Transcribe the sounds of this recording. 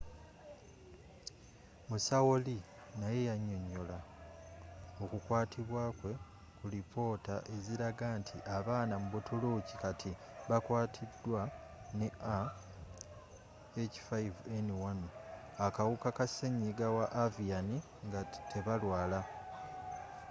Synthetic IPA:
musawoli | naje̞jaɲːo̞ɲːo̞la | o̞kukwaːtʰiβwaːkwe̞ | kulipʰo̞ːtaʔe̞ziɾaɡaːntʰiʔaβaːnamuβotʰuluci̥katʰi | βakwaːtʰidːwa | neʔa | eci̥faiveniwan | akawukakaseɲːiɡawaʔːviani | ŋɡatʰe̞βalwaːla

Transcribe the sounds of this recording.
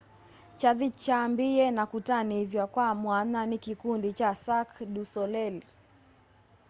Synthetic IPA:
t͡ʃaðit͡ʃambiɛnakutaniivjakwamwananikikundit͡ʃasakɗusɔlɛli

